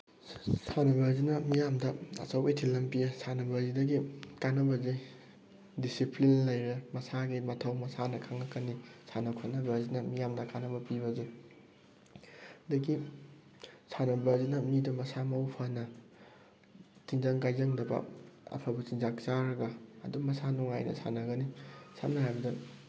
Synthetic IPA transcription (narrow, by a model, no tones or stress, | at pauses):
sʰanɐbɐzinɐmijamdɐɐ̰t͡ʃɐwejtʰilːɐmpijɐsʰanɐbɐzidɐɡikanːɐbɐzi | disiplinlɐjɾɐmɐsaɡimɐtʰɐwmɐsanɐkʰaŋɐkɐnːisʰanɐkʰanɐbɐzinɐmijamdɐkanɐbɐpiβɐzi | dɐɡi | sʰanɐbɐzinɐmidumɐsamɐwpʰanɐ | tʰiŋzaŋkajzɐŋdɐbɐ̰ɐ̰pʰabɐsiŋzakt͡ʃaɾɐɡɐ̰ːdumɐsanuŋajnɐ̰sʰa̰nɐɡɐnisʰa̰mnɐɦajbɐdɐ